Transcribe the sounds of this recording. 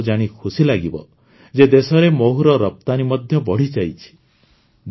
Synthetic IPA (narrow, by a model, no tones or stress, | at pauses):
d͡ʒaɽ̃ikʰusilaɡibɔ | d͡ʒed̪esɔɾemoɦuɾɔɾɔp̚t̪animɔd̪ʱjɔbɔɽ̤id͡ʒajt͡ʃʰi̥ | d̪